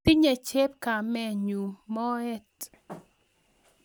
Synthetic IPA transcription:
i˦ɲe˨t͡ʃe˦p̚ka˨mɛ˨ɲu˨mɔ˦ɛ˦t

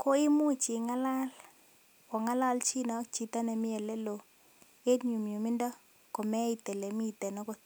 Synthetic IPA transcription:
ko˦i˦mu˦t͡ʃi˨ŋa˦la˦l | ɔ˨ŋa˦la˦lt͡ʃi˦nɔ˦t͡ʃi˨t̪a˦nɛ˨mɪ˦ɛ˨lɛ˦lo˨ | e˦ɲu˨mju˨mi˦ndɔ˦ | ko˨mɛ˦i˨t̪ɛ˨le˨mi˦˨t̪ɛ˨nɔ˦kɔ˦

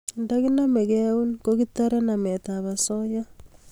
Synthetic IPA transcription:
ndaɣi˦na˦me˨keu˦nkoɣi˦t̪a˦ɾa˦na˨me˨taβa˨so˦ja˦

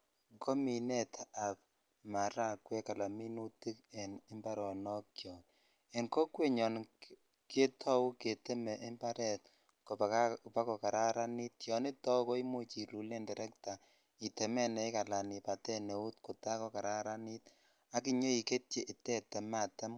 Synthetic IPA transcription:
ŋko˦mi˨nɛ˦ta˨p̚ | ma˨ɾa˦kwɛ˦ka˨la˨mi˦nu˦ti˦kɛ˨nɪ˦mba˦ɾɔ˨nɔ˦k̚kjɔ˨t | ɛ˨nko˦kwe˦ɲɔ˨n | ke˦tʰɔ˦wu˦ke˨te˦mɛ˨ʔe˦mba˦ɾɛ˨t̚ | ko˨pa˦kɔ˨ka˨ɾa˦ɾa˦ni˦tjɔ˨ni˦tɔ˦ko˦i˦mo˦t͡ʃi˨ɾu˨le˦ndɛ˨ɾɛ˦kta˨ | i˨tɛ˨mɛ˦nɛ˨i˦ka˨la˨ni˨pa˨tɛ˦ne˨u˦tko˨ta˦kɔ˦ka˨ɾa˦ɾa˦ni˦t | a˦ki˦ɲo˦i˨ke˦t̚t͡ʃe˨ʔi˨tɛ˦tɛ˨ma˨ta˦m

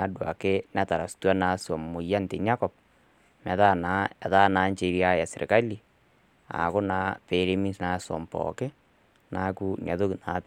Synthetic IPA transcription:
a˨˦dwa̰˨ke˦na˦ta˨ɾa˨su̥˨twa˦na˨swɔ˨mmo˨ja˦nte˨ɲa˦kɔ˨p̚ | mɛ˨ða˦˨na˨˦ɛ˨ða˦na˨˦ɲt͡ʃe˨˦ɾi˦a˦ja˨se˨ɾʔḛ˨ka˦li˨ | a̰˨ko˦na˨˦pe˨˦ɾe˦mi˦sna˨˦sɔ̰˨mpɔ̰˨ke˦ | na˦ku˦n˨a˨ðo˦kna̰˨p

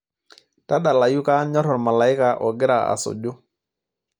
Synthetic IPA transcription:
ta˦ɗa˨la˨ju˦ka˦ɲɔ˦ɾɔ˨ɾma˨la˨ɪ˦ka˨ʔɔ˨ɡɪ˦ɾa˨a̰˨sɔ̰˨d͡ʒo˦

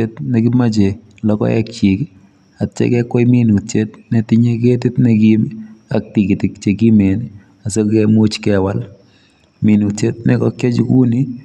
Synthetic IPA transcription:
e˦tnɛ˨kɪ˦ma˦t͡ʃe˨ | lɔkɔ̰˦ɛ̰˦k̚t͡ʃi˨k | a˨tt͡ʃɛ̰˦kɛkwɔ˦jmi˦nu˨te˦t̚nɛtɪ˦ɲe˦ke˦tɪ˦tnɛ˨kima̰k̚ti˨ki˨tɪ˨kt͡ʃe˨ki˦me˨nɪ | a˨sɔ˦kɛmo˦t͡ʃkɛwal | mi˨nu˨te˦t̚nɛ˦kɔ˦kjɔ˦t͡ʃku˦ni˦

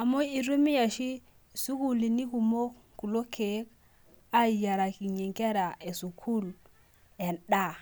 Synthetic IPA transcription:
a˨mo˦i˨ɾu˦mi˦ja˨ʃi˦ | su˦ku˦li˨ni˦ku˨mo˦ | ku˨lo˦kʰe˨˦k | a˦i˨ja˨ɾa˨ki˨ɲi˨ŋke˦ɾa˨e˨su˨kʰu˦l | ɛ˨nɗa˦˨

